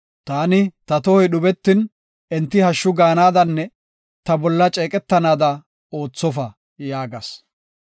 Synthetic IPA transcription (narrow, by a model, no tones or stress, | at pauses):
t̪aːnɪt̪ɐt̪ɔhɔjɗʊbɛt̪ːɪn | ʔɛnt̪ːɪhɐʃːʊɡaːnaːd̪ɐnːɛ | t̪ɐbɔlːɐt͡ʃʼeːkʼɛt̪ːɐnaːd̪ɐ | o̞ːt͡sːɔfɐ | jaːɡɐs